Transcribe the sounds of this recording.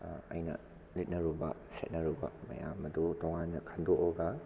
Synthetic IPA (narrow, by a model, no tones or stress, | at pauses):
ɐ̰jnɐ̰ | lit̚nɐɾubɐ̰sḛt̚nɐɾubɐ̰mɐ̰ja̰mɐdutɔŋanːɐkʰandoʔɔɡa